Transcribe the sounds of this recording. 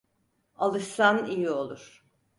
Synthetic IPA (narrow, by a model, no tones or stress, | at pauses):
alˠɯʃsanijio̞lˠuɾ̥